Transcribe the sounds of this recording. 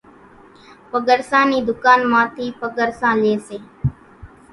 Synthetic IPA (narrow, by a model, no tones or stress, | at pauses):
pəɡəɾsãːniːd̪ʊkaːnmãːt̪ʰiːpəɡəɾsãːleːseː